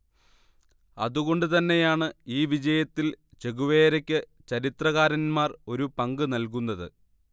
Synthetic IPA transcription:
ɐ̰ðuɣo̞ɳɖɨt̪ɐnːe̞jaːɳɨiːʋid͡ʑɐjɐt̪ːilt͡ɕe̞ɣuʋeːɾɐkʲːɨ | t͡ɕɐɾit̪rɐɣaːɾɐnmaːro̞ɾupɐŋɡɨnɐlkunːɐðɨ̰

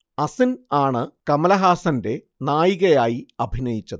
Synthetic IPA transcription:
ɐsinaːɳɨkɐmɐlɐɦaːsɐnde̞ | naːjiɣɐjaːjiɐbʱinɐjit͡ɕːɐðɨ

